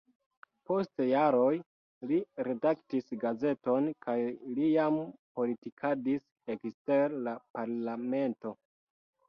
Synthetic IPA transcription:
po̞stjaɾo̞j | liɾe̞daktisɡaze̞to̞nkajlijampo̞litikʰadis | ekste̞ɾlapaɾlame̞nto̞

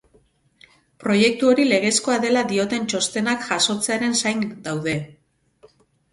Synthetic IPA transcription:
pɾo̞je̞k̚t̪uo̞ɾile̞ɣ̞e̞sko̞aðe̞lad̪io̞t̪e̞nt͡ʃo̞st̪e̞nakʝaso̞t͡se̞aɾe̞nsajnd̪awðe̞

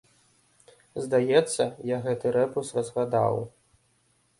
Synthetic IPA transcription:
zd̪ajɛt̪sːɐjaɣɛt̪ɨɾɛpusrɐzlˠad̪a̰w

